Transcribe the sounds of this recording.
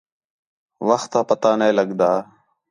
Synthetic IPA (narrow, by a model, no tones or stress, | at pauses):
ʋəxt̪aːpət̪aːnẽːləɠd̪aː